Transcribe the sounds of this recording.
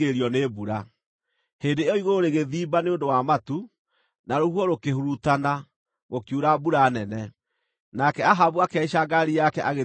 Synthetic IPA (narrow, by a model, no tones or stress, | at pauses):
ɾiɔnebuɾa | heːndeɔiɣoɾeɣeðiːbaneondowamatu | naɾohuɔɾokeɦuɾutana | ɣokjuɾabuɾanɛnɛ | nakɛaɦaβuakɛɕaɡaɾijakɛʔaɣe